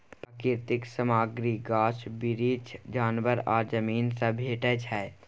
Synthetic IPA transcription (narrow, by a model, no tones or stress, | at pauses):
pɾəkɪɾt̪ɪksəmaːɡɾiɡaːʃbɪɾiːd͡ʒd͡ʒaːnʋəɾɔːɾd͡ʒəmiːnsabʱeːʈəd͡ʒɦɛː